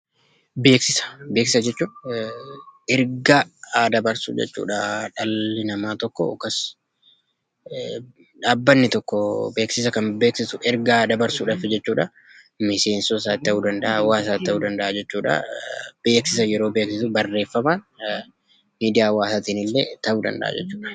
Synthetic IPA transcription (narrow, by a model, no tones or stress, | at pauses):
be̞ːksɪsɐ̥be̞ːksɪsɐd͡ʒɛt͡ʃːuː | ɛɾɡaːd̪ɐbɐɾsṵːd͡ʒɛ̰t͡ʃːṵːᶑaᶑɐlːɪnɐmaːt̪ɔkːɔ̰kɐs | ᶑaːbːɐnːɪt̪ɔkːɔbe̞ːksɪsɐkɐmbe̞ːksɪsʊʔɛɾɡad̪ɐbɐɾsuːᶑaːfɪd͡ʒɛt͡ʃːuːᶑɐ | mɪse̞ːnsɔs̬aːt̪ːɐʔuːd̪ɐnd̪ɐʔawaːs̬aːt̪ːɐʔuːd̪ɐnd̪ɐʔaːd͡ʒɛt͡ʃːuːᶑɐ̰b̥e̞ːksɪsɐjɛɾo̞ːbe̞ːksɪsʊbɐrːe̞ːfːɐmaːn | miːd̪ɪjaːwaːsaːt̪iːnɪlːet̪ɐʔuːd̪ɐ̰nd̪ɐ̰ʔa̰ːd͡ʒɛt͡ʃːuːᶑɐ̥